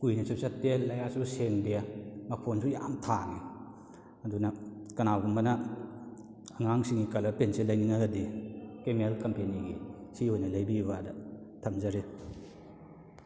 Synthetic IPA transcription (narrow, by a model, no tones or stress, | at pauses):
kujnisusatːelːɐjasuseŋdemɐpʰonsuja̰mtʰaŋi | ɐdunɐkɐnawɡummɐnɐ | aŋaŋsiŋikɐlɐpenselajniŋaɡɐdikemelkɐmpeniɡisihojnɐlajbibadɐ | tʰɐmzaɾi